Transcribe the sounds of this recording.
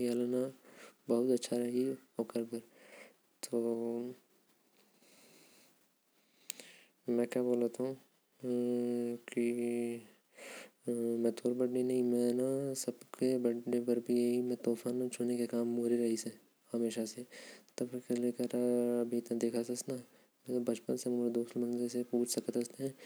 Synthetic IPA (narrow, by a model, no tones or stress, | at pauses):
jalnabɐɦʊt̪ɐtːʃʰaɾɐɦioːkəɾbɐɾ | t̪oː | mɛ̃ːkjaːboːlat̪aɦũ | ki | mɛ̃ːt̪oːɾbɐɽnenɐɦĩmɛ̃ːnasɐbkebɐɽebɐɾbʱijeɦimɛ̃t̪oːfʰaːnt͡ʃʰoːnekekaːmːuːɾiɾɐɦise | hɐmeːʃaset̪ɐbɾkeleːkəɾɐbʱiɪt̪nad̪eːkʰasɐsna | mɛ̃ːt̪obɐt͡ʃpənsɐ̃ŋɡmːɾed̪oːsmɐ̃nzesepuːt͡ʃʰsɐkət̪ɐst̪eɦɛ̃ː